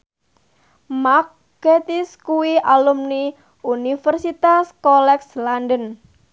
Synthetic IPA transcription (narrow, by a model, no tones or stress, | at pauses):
ma | ket̪iskuwiʔalumni | unifərsit̪askɔlɛkslandən